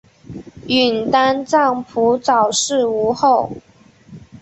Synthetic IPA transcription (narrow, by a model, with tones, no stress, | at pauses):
y˨˩nt̪a˥nt͡sɑ˥˩ŋpʰu˧˥t͡sɑ˨˩ʊʂɻ̩˥˩u˧˥xo˥˩ʊ